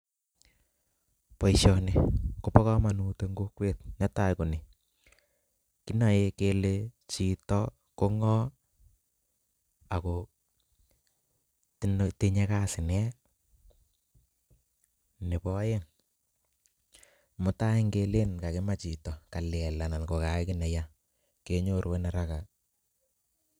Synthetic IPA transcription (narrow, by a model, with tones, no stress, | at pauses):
pɔ˨˦iʃɔ˨ne˨ko˦pɔ˦kɔ˦ma˨nu˨te˦ŋɡo˦kwe˦˨t̚ɲɔ˦ta˦jko˨ni˨ | ki˦na˨je˦ke˨˧le˦t͡ʃi˨tɔ˦ | ko˦ŋɔ˦ | a˨ko˨ | tnte˦ɲe˦ka˦sɪ˨nɛ˦ | ne˨pɔ˦je˦ŋ | mʊ˨ta˦ɪ˦ŋke˧le˦nka˨kɪ˦ma˦t͡ʃi˨tɔ˨ka˨lɛ˨la˨na˨lko˨ka˨ɪ˦kɪ˦nɛ˨ja˦ | ke˦ɲo˦ɾwe˦na˨ɾa˦ka˨